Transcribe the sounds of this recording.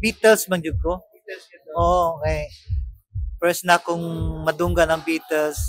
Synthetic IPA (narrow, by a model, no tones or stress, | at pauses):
biːt̪ɛlsmɐŋd͡ʒʊɡ̚ko | ʔookɛj | pɛsnakʊŋmɐd̪uŋɡanɐŋbiːt̪ɛls